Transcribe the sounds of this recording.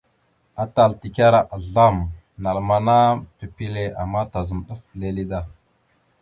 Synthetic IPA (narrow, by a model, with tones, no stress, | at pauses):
a˦ta˨lti˨kʲa˦ɾa˨ʔa˨ɮa˦˨m | na˨lma˨na˦pi˨pi˦le˨a˨mːa˦ta˨zə˨mɗə˦fle˨li˦da˦